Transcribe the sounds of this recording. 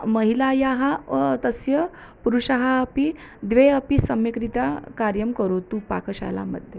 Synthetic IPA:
məɦilajaɦat̪əsjə | puɾuɕaɦaːpi | d̪ʋeəpisəmʋikɾit̪akaɾjəmkəɾut̪uːpa̰kəɕa̰la̰mə̰d̪ʱje

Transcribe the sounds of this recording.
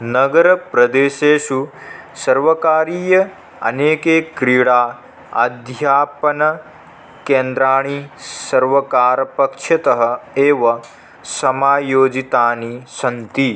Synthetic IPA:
nɐɡɐɾɐpɾɐd̪eːʃeːʃusɐɾʋɐkaːɾiːjɐ | ɐ̰neːkeːkɾiːɽaː | ɐ̰d̪ʱjaːpɐnɐ | keːnd̪ɾaːɳisɐɾʋɐkaːɾɐpɐkʂɐt̪ɐɦɐ̆eːʋɐ | sɐmaːjoːd͡ʒit̪aːnisɐnt̪i

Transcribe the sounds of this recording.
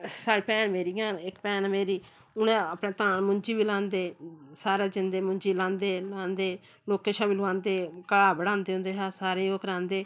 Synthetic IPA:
saːɽiːpɛːnmeːɾiːãːnɪkpɛːnmeːɾiː | ʊnẽːaːpɳeːt̪ãːnmʊɲd͡ʒiːʋiːlãːnd̪eːsaːɾeːd͡ʒɪnd̪eːmʊ̃ɲd͡ʒiːlãːnd̪eːlãːnd̪eː | loːkeːʃaːmilʊãːnd̪eːkəɽaːbəɽãːnd̪eːɦʊ̃nd̪eːɦaːsaːɾẽːoːkɾãːnd̪eː

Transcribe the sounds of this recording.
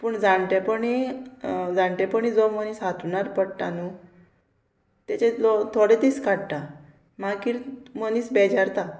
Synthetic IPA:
pəɳd͡zaɳʈepəɳi | d͡zãɳʈepəɳ̃id͡zɔmənisɦat̪uɳaɾpəɽʈ̪anu | t̪et͡ɕelot̪ʰoɽet̪iskaɽʈ̪a | makiɾməniːsbɛd͡ʑaɾt̪a

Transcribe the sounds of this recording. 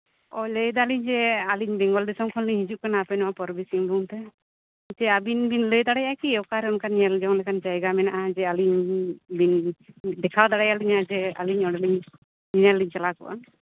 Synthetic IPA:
ɔləjd̪aliɲd͡ʒɛaliɲbɛŋɡɔld̪isɔmkʰɔliɲɦid͡ʒuʔkanaːpɛnɔwapɔɾbisiŋluwnt̪ɛ | t̪ɛabinbinləjd̪aɽajakiɛwkaɾɛɔnkanijald͡ʒaŋlɛkʰand͡ʒajɡamɛnaʔad͡ʒɛaliɲbind̪ɛkʰawd̪aɽajaliɲad͡ʒɛa̰liɲɔɽaliɲ | ninaliɲt͡ʃalakɔ̰ʔa̰n

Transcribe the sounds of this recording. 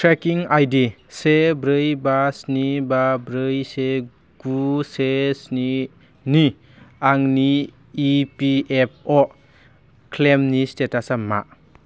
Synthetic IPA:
tʰɾekiŋajdi | sebɾɯjbasnibabɾɯjse | ɡ̥usesni | ni | aŋniː | piep̚ʰɔ | kʰlemnistetasama̰

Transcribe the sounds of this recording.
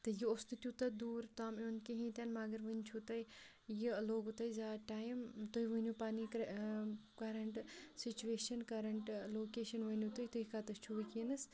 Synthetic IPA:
t̪ɨjiost̪ɨt̪ʲut̪ɐd̪uːɾt̪aːmonkiɦĩːt̪ʲɐnmɐɡɐɾʋɨinʲt͡ʃʰut̪ɐj | jiloːɡut̪ɐjzaːʈaːjmt̪oiʋɨnjupaːnik | kɐɾɐɳʈsit͡ʃueːʃɐnkɐɾɐɳʈloːkeːʃɐnʋɐnʲjut̪ujt̪uikaːt̪ɐst͡ʃʰuʋikinɨs

